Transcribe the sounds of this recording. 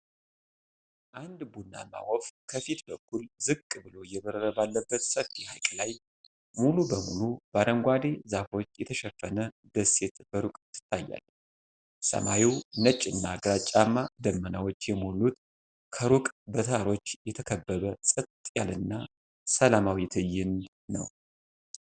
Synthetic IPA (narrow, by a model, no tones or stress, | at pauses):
ʔand̪bunːa̰ma̰wɔfkʰəfit̪bəkʰːulzɨkʼːbɨlo̞jɛβəɾəɾəbalːəbːət̪səfiha̰jkʼlaj | mulubəmulubaɾəŋɡʷwad̪e̞zafo̞t͡ʃːjɛt̪ʰəʃɛfːənə | d̪əset̪b̥əɾukʼt̪ːɨ̥t̪ʰːajːa̰l | sə̰ma̰jiwnət͡ʃʼɨnːaɡɾat͡ʃʼːamːad̪əmːənawo̞t͡ʃːjɛmulut̪ | kʰəɾukʼbət̪ʰəaɾo̞t͡ʃːjɛt̪ʰəkʰəbːəβəsʼɨt̪t̪ʼjalɨnːa | səlamawit̪ʰɨjːɪnː | ə̰w